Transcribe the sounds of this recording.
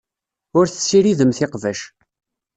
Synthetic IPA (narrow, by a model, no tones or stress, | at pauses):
ʊɾθə̥sːiɾiðəmθɪqvæʃ